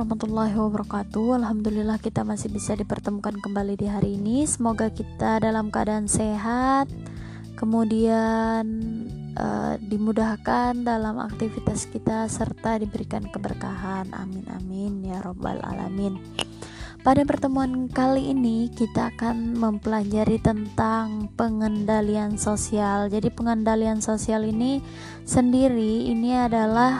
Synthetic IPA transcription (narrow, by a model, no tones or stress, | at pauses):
ɑhmat̪ulːaɦwabaɾɑkat̪uhalɦamd̪ulilahkit̪amasɪhbisadipərt̪əmukankəmbalidiɦaɾiːnisəmoɡakit̪adalamkəa̰daːnseɦat̪̚ | kəmudian | ʔə̰dimudahkandalama̰k̚t̪ifit̪askit̪asərt̪adibəɾikankəbərkaɦanʔa̰mɪna̰mɪnjaɾoba̰la̰la̰mɪn | padapərt̪əmuankaliːnikit̪aːkanməmpəlad͡ʒaɾit̪ənt̪aŋpəŋəndaliansosiald͡ʒadipəŋəndaliansosialini | səndiɾiːniadalah